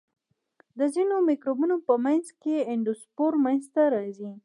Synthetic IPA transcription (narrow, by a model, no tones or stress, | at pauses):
d̪əzinomikɾobunopəmanzkeɪɳɖospoɾmanzt̪aɾɑzi